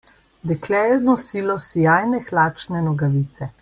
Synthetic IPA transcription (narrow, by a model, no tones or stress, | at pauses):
d̪ɛklɛːznɔsiːlɔsijaːjnɛxlaːt͡ʃnɛnɔɡaʋiːt̪sɛ